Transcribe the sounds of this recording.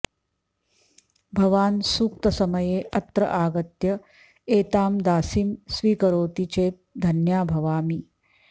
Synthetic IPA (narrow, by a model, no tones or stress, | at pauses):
bʱɐʋaːnsuːk̚t̪ɐsɐmɐjeːʔɐt̪ɾɐ̰ʔaːɡɐt̪jɐ | eːt̪aːmd̪aːsiːmsʋiːkɐɾoːt̪it͡ʃeːt̪̚d̪ʱɐnjaːbʱɐʋaːmi